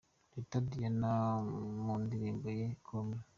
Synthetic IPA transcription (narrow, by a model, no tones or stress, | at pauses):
ditadijenamundiɾiːmbojekʰomɲe